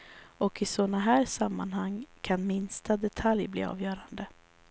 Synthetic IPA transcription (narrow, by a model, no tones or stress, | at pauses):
ɔkɪsɔnaɦæːɾʂamːanhaŋkʰanmɪnst̪ad̪ɛt̪ʰaljblḭːɑ̰ːvjœːɾand̪ə